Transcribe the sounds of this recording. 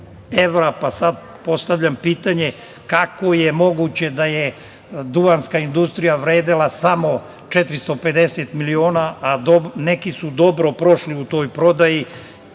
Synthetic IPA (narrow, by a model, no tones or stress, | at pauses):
eʋɾapasad̪̚ | po̞st̪aʋʎampiːt̪aɲe | kako̞jemo̞ɡut͡ɕe̞d̪aje | d̪uanskaind̪ust̪ɾijaʋɾeːd̪elasamo̞ | t͡ʃet̪ɾist̪o̞pe̞d̪e̞set̪milioːnaad̪onekisud̪o̞bɾo̞pɾo̞ʃliut̪o̞ːjpɾo̞d̪aji